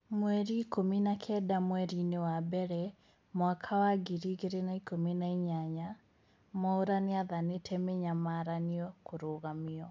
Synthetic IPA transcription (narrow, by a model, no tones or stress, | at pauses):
mwɛɾiːkominakʰɛdamwɛɾinewabɛɾɛ | mwakʰawaɡiɾiɣeɾenaikominaiɲaɲa | mɔoɾaneaðanetʰɛmeɲamaɾaniɔkoɾoːɣamiɔ